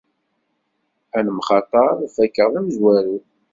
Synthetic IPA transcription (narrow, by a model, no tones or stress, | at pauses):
ænmχɑt̪ˤɑɾˤfækːəʁðæmzwæɾu